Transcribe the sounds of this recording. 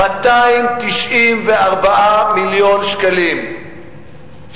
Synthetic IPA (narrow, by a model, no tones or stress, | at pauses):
at̪aimt̪iʃʔimveaʁbaʔamiljo̞nʃkalim